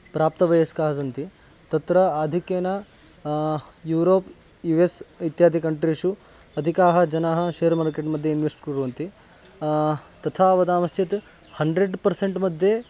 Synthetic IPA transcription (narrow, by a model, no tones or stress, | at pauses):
pɾaːp̚t̪ɐʋɐjɐskaːɦɐsɐnt̪i | t̪ɐt̪ɾɐaːd̪ʱikeːnɐ | juːɾoːp | juʋesit̪jaːd̪ʱikɐɳʈɾiʂu | ɐd̪ʱikaːɦɐ̆d͡ʒɐnaːɦɐ̆ʃeːɐɾmaːɾkeʈmɐd̪ʱjeinʋesʈkɾuɾuʋɐnt̪i | t̪ɐt̪ʰaːʋɐd̪aːmɐst̪ʰjɐt̪ | hɐɳɖɾeɖpɐɾseɳʈmɐd̪ʱje